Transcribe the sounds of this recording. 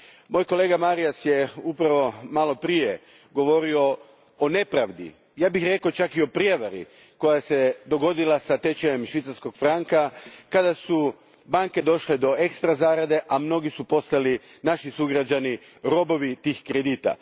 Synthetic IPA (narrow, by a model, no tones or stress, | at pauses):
mo̞jko̞le̞ːɡamaɾiasje̞upɾaʋo̞malo̞pɾije̞ | ɡo̞ʋo̞ɾio̞ | one̞pɾaʋd̪ḭ | jaːbixɾe̞kot͡ʃakio̞pɾije̞ʋaɾḭ | ko̞jase̞d̪o̞ɡo̞d̪ilˠasat̪e̞t͡ɕeemʃʋit̪saɾsko̞ɡfɾaŋkakad̪asu | baŋke̞d̪o̞ʃled̪o̞e̞kst̪ɾazaːɾad̪e̞ʔamno̞ɡisupo̞st̪alinaʃisuɡɾad͡ʒani | ɾo̞bo̞ʋit̪iːxkɾed̪iːt̪a̰